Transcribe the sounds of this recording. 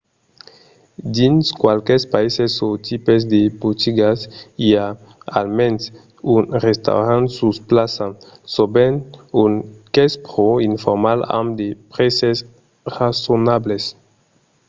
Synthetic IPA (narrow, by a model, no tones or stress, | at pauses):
d̪inskwalkespaisesot̪ʰipezd̪ebut̪ʰiɡasia | a̰lmens | unrest̪a̰wɾãnt̪susplasasobenuŋkespɾoinfoɾmala̰md̪epɾeses | rasonables